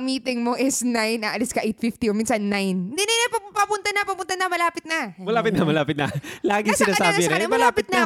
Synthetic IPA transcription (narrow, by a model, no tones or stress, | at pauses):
miːt̪ɪŋmoʔɪsnajnɐʔɐlɪskɐʔejt̪fɪft̪iominsɐnːajnd̪ɪnɐjnɐpɐpɐpʊnt̪ɐnɐpɐpʊnt̪ɐnɐmɐlaːpɪt̪nɐmɐlaːpɪt̪̚nɐmɐlaːpɪt̪̚nɐlaːɡɪsɪnaːsaːbɪɾɛmɐlaːpɪt̪̚nɐ